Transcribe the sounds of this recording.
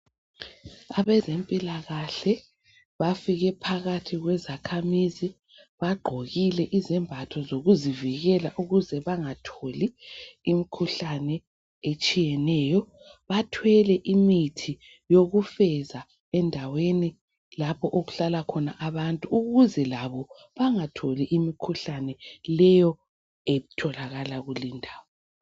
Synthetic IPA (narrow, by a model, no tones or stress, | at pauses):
aβɛzempʼilaɣaɬɛ | βafiɣɛpʰaɣatʰiɣwɛzakʰamizi | βaɡ͡ǃʱoɣilɛʔizɛmbʱatʰɔzoɣuziviɣɛlaʔuɣuzɛβaŋatʰoliimikʰuɬanɛ | et͡ʃʼijɛnɛːjɔ | βatʰwɛlɛʔimitʰi | joɣufɛza | ɛndʱaweni | lapʰɔʔoɣuɬalakʰɔnaʔaβantʼuːɣuzɛlaβɔ | βaŋatʰoliʔimikʰuɬanɛlɛjɔ | etʰɔlaɣalaɣulindʱaːwɔ